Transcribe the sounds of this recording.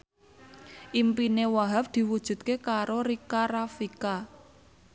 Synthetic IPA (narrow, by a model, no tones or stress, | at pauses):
ʔimpinewaɦap̚d̪̥i̤wud̥ʒ̥ṳt̪̚kekaɾoɾikaɾafika